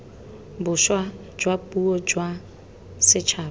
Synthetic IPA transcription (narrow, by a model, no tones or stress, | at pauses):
bʊʃwa | d͡ʒwapʼuɔd͡ʒwa | sɪt͡ʃʰaː